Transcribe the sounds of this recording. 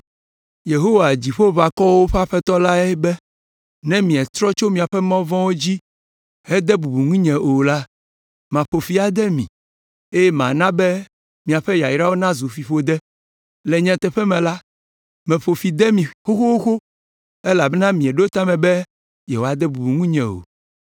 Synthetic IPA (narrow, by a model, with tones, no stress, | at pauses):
je˨ɦo˦wa˨d͡ʑi˨ɸo˦va˨kɔ˦wo˦ɸa˦ɸɛ˦t̪ɔ˦la˦ɛ˦bɛ˦ | nɛ̃˦mĩ˨ɛ˨t̪ɾɔ˦t͡ʃo˦mĩ˨a˨ɸɛ˦mɔ̃˦vɔ̃˦wo˦d͡ʑi˦ | hɛ˦d̪ɛ˦bu˨bu˨ŋĩ˦ɲɛ̃˨ʔo˨la˦ | mã˨ɸo˨fi˨˦a˨d̪ɛ˦mḭ̃˨ | e˦jɛ˦mã̰˨nã˦bɛ˦ | mĩ˨a˨ɸɛ˦ja˨ji˨ɾa˦wo˦nã˦zu˨fi˨ɸo˨d̪ɛ˦ | lɛ˨ɲɛ̃˨t̪ɛ˨ɸɛ˦mɛ̃˨la˦ | mɛ̃˨ɸo˨fi˨d̪ɛ˦mĩ˨xo˦xo˦o˦xo˦ | ɛ˦la˨bɛ˦nã˦mĩ˨ɛ˨ɖo˦t̪a˦mɛ̃˨bɛ˦ | jɛ˨wo˨a˨d̪ɛ˦bu˨bu˨ŋũ˦ɲɛ̃˨o̰˨